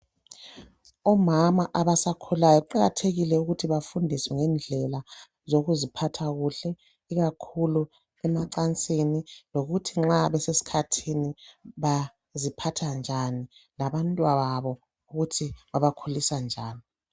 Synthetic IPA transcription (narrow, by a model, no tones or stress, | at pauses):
ɔmamaʔaβasakʰulajɔuǃaɣatʰeɣilɛuɣutʰiβafundʱiswɛŋɛnd͡ɮʱɛla | zoɣuzipʰatʰaɣuɬɛ | iɣakʰulu | ɛmaǀant͡sʼiniloɣutʰiŋ͡ǁaβɛsesi̥kʰatʰiniβa | zipʰatʰand͡ʒʱanilaβantʼwaβaβɔ | uɣutʰiβaβakʰulisand͡ʒʱaːni